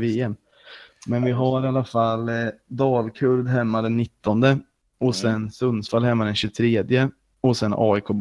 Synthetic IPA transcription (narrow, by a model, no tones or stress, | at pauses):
veːɛm | mɛnvɪɦaɾɪalːafalːd̪ɑːlkʰɵɾd̪ɦɛmːad̪ɛnːɪt̪ːɔnd̪ə | ɔsɛnsɵnːsfalɦɛmːad̪ɛnɕɵt̪ʰɾeːd̪jə | ɔsɛnɑ̰ːɪkʰoːb